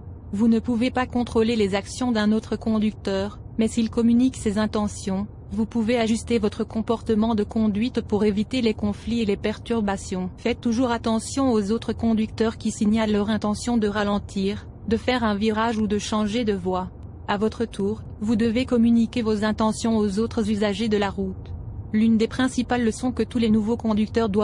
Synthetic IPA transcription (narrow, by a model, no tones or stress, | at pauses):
vunəpuvepakɔ̃t̪χolelezaksjɔ̃d̪ɛ̃not̪χəkɔ̃d̪yk̚t̪œːʁmɛsilkɔmyniksezɛ̃t̪ɑ̃sjɔ̃ | vupuveaʒyst̪evɔt̪χəkɔ̃pɔʁt̪əmɑ̃d̪əkɔ̃d̪ɥit̪puʁevit̪elekɔ̃flielepɛʁt̪yʁbasjɔ̃fɛt̪ːuʒuʁat̪ɑ̃sjɔ̃ozot̪χəkɔ̃d̪ik̚t̪œʁkʲisiɲalːœʁɛ̃t̪ɑ̃sjɔ̃d̪əʁalɑ̃t̪ʰiːʁ | d̪əfɛʁɛ̃viʁaʒud̪əʃɑ̃ʒed̪əvwa | avɔt̪χət̪ʰuːʁ | vud̪əvekɔmynikʲevozɛ̃t̪ɑ̃sjɔ̃ozot̪χəzyzaʒed̪əlaʁut̪lynd̪epχɛ̃sipalːəsɔ̃kət̪ulenuvokɔ̃d̪yk̚t̪œʁd̪wa